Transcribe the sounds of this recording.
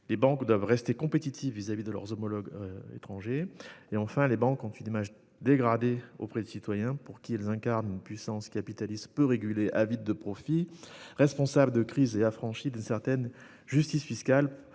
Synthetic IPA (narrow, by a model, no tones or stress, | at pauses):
lebɑ̃kd̪wavʁɛst̪ekɔ̃pet̪it̪ʰivːizavid̪əlœ̰ʁzomɔlɔɡḛt̪χɑ̃ʒeeɑ̃fɛ̃lebɑ̃kɔ̃t̪ynimaʒ | d̪eɡʁad̪eo̰pχɛd̪ysit̪wajɛ̃puʁkʲiɛlzɛ̃kaʁnynpɥisɑ̃skapit̪alist̪pøʁeɡʲyleʔavid̪̚ːəpχɔfiʁɛspɔ̃sabləd̪əkχizeafχɑ̃ʃid̪ynsɛʁt̪ɛn | ʒyst̪isfiskal